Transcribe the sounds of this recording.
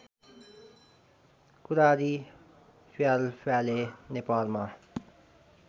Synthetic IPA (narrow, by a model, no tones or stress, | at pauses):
kʊɾaːɾiː | fjaːlpʰɛːleːnepaːlmãː